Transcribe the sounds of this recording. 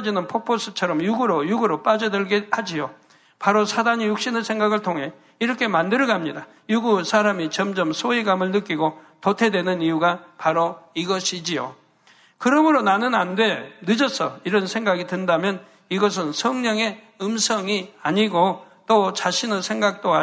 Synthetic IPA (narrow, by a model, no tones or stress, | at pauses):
d͡ʑinɯnpʰok̚pʰos͈ʰɯt͡ɕʰʌɾʌmjuɡuɾojuɡuɾop͈ad͡ʑʌdɯɭɡehad͡ʑio | paɾosʰadaɲijuk̚ɕ͈inɯsʰe̞ŋɡaɡɯɭtʰoŋɦe̞ | iɾʌkʰe̞mandɯɾɡamɲida | juɡusʰaɾamit͡ɕʌmd͡ʑʌmsʰoiɡamɯɭnɯk͈iɡo | totʰe̞dwe̞nɯnijuɡapaɾoiɡʌɕʰid͡ʑijo̰ | kɯɾʌmɯɾonanɯnandwe̞nɯd͡ʑʌs͈ʰʌ̰iɾʌnsʰe̞ŋɡaɡidwɯndamjʌn | iɡʌs̬ʰɯnsʰʌŋɲʌŋe̞ | ɯmsʰʌŋiaɲiɡo | t͈ot͡ɕaɕʰinɯnsʰe̞ŋɡak̚t͈oa